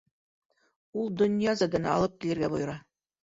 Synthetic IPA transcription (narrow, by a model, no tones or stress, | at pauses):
ulˠd̪ŏnʲjɑzɑd̪ɘ̆nɑ̰lˠɤp̚kʲilʲĕrɡʲæbuj̆ɾɑ